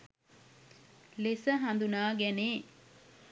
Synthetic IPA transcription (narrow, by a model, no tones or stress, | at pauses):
lesəɦɐnd̪unaːɡɛneː